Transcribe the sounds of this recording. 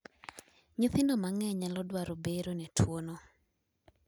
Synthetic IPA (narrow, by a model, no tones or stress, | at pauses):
ɲuθɪndɔmaŋɛɲalɔdwaɾobeɾonɛtʰwono